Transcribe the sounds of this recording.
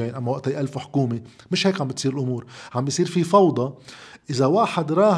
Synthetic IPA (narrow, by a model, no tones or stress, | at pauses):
eːnʔamːawaʔt̪ijʔalfuwħʊ̥kuːmimɪʃheːkʕambɪt̪siːɾɪlʔʊmuːɾʕambijsˤiːɾfifɑwd̪ˤɑʔɪzawaːħad̪ɾˤɑː